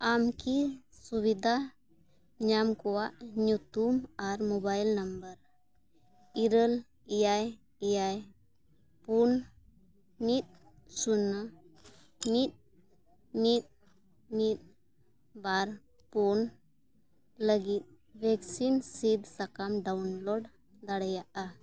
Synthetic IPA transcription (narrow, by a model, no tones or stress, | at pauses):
amkisuβid̪ʱa | ɲamkɔwaʔɲut̪umaɾmobajlnəmbəɾ | iɾəl | ijaj | ijaj | pun | mit̪̚ | sunə | mit̪̚ | mit̪̚ | mit̪̚ | baɾ | pun | ləɡit̪̚ | bɛksinsid̪sakamɖaunlɔɖ | d̪aɽɛjaʔa